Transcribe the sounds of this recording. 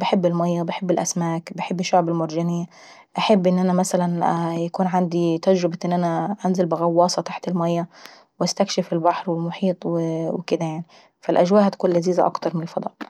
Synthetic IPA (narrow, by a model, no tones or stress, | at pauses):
bɪħɪbːɪlmajːabɪħɪbːɪlʔasmaːkbɪħɪbːɪʃːʊʕbɪlmʊɾˤd͡ʒaniː | ʔaħɪbːʔɪnːʔanamasalanjakuːnʕand̪it̪ad͡ʒɾɪbaʔɪnːʔanaʔanzɪlbɪɣɑwːɑːsˤɑt̪aħt̪ɪlmajːa | wʔast̪akʃɪfɪlbaħɾwɪlmʊħiːt̪ˤwɪwkɪd̪ajaʕni | falʔaʒwaːʔhat̪ḁkuːnlaziːza̰ʔɑ̰kt̪ɑɾˤmɪnɪlfɑd̪ˤɑ̰ːʔ